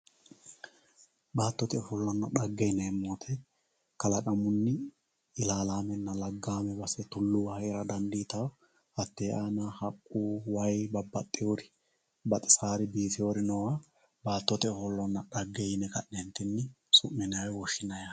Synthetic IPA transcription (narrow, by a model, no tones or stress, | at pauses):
baːt̪ːɔt̪ɛɔfɔlːɔnːɐɗɐɡːɛjnɛːmːoːt̪ʰɛ | kɐlɐkʼɐmʊnːɪ | ɪlaːlaːmɛnːɐlɐɡːaːmɛbɐsɛt̪ʊlːʊwɐɪɾɐd̪ɐnd̪iːt̪ɐw | ɐt̪ːeːʔaːnahɐkʼːuːwɐjbɐbːɐt̪ʼːɪjoːɾɪ | bɐt̪ʼɪ̥saːɾɪbiːt̪ɪjoɾɪnɔwa | baːt̪ːɔt̪ɛɔfɔlːɔnːɐɗɐɡːɛjnɛkɐʔːɛnt̪ːɪnːɪ | sʊʔmɛnaːwɛwɔʃːɪnɐja